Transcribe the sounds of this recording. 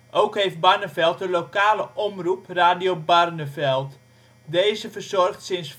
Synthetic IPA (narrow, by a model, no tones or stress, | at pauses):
ʔowkɦejft̚barnəfɛlˠtənlokaːləʔɔmrupraːdiobarnəfɛlˠt | deːzəfərzɔrxtsɪns